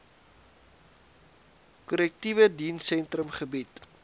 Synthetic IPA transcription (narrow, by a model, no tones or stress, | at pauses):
kɔlɛk̚tivədinsɛntrəmχəbit